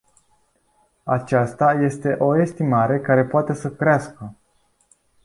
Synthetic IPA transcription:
at͡ʃast̪aje̞st̪e̞ʔo̞e̞st̪imaɾe̞kaɾe̞poat̪e̞səkɾeaskə

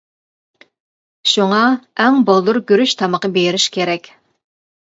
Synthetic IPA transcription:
ʃuŋɑɛŋbolˠd̪uɾɡʲyɾyʃt̪ʰɑməqəbejɾɪʃkʲʰeɾɛkʲ

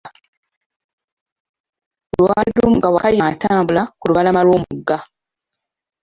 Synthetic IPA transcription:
olwaːdumɡawakajataːmbulakuluβalamalwoːmuɡːa

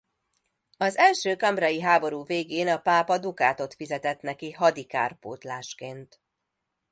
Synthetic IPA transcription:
ɒzɛlʃøːkɒmbrɒjiɦaːbo̞ɾuːveːɡeːnɒpaːpɒd̪ukaːt̪o̞t̪fizɛt̪ɛt̪nɛkiɦɒd̪ika̰ːrpo̰ːt̪laːʃkeːnt̪

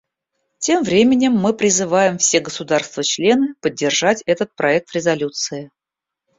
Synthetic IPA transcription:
tʲe̞mvɾʲemʲɪnʲɪmːɨpɾʲɪzɨvajɪmfsʲe̞ɡəsʊd̪arst̪vət͡ɕlʲe̞nɨpədʲːɪrʐatʲɛt̪ət̪̚pɾɐɛk̚t̪ɾʲɪzɐlʲut̪sɨɪ

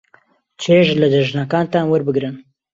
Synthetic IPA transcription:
t͡ʃʰeːʒlɨd̪əʒnakaːnt̪aːnwəɾbɨɡɾɨn

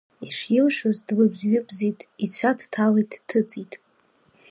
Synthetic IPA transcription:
iʂjɪlʃozdlɨbzɥɪpʰʼzejtʼit͡ɕʷʰadtʰalejtʰʼtʰɨt͡sʼitʼ

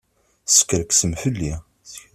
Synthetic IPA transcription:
sə̥kːəɾəksəmfəlːi

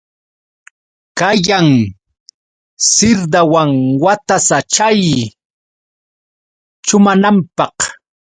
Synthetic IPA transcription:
kajaŋ | sɪɾd̪awaŋwat̪asat͡ʃaj | t͡ʃʊmanampɑq

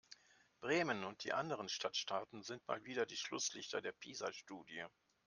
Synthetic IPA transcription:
b̥ʁeːmənʊnt̚d̥ḭːʔandəʁ̞ənʃtʰatʃtʰaːtn̩zɪntma̰ːlviːdɐdiːʃlʊslɪçtʰɐdeːɐpʰiːzaʃtuːdiə

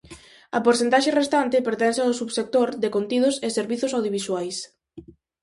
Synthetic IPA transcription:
ɐpoɾθent̪aʃerest̪ant̪ɪpeɾt̪ɛnseawsuβsek̚t̪oɾd̪ekont̪ið̞ʊseseɾβiθʊsawðjoβ̞iswajs

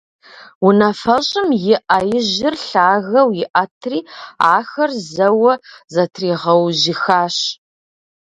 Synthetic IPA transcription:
wunɐfɐɕʼɪmjɪʔɐjɪʑɪrɬaːɣɐwjɪʔɐtʰriːa̰ːxɐrzɐwɐzɐtʰriːʁɐwʑɪxaːɕ

